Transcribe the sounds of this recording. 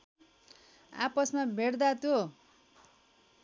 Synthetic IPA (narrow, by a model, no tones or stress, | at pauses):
a̰pʌsmabʱeɽd̪at̪jo